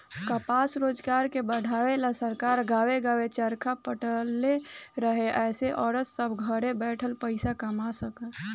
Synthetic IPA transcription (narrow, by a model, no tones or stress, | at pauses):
kəpasɾod͡ʒɡaɾkebəɽʱawelasəɾkaɾɡaweɡawet͡ʃəɾkʰapəʈəlːeɾəɦeʔɛːseʔɔːɾəsːəbʱɡʱəɾebɛʈʰəlpəɪsakəmasəkə